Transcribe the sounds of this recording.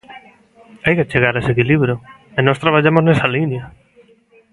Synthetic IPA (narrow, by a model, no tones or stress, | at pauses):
ajkat͡ʃeɣaɾesekiliβɾjo | enɔst̪ɾaβ̞aʎamoznesalinjɐ